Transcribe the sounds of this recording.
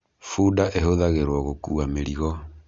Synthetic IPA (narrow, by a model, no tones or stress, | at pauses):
fudaʔeɦoðaɣeɾwɔɣokuameɾiɣɔ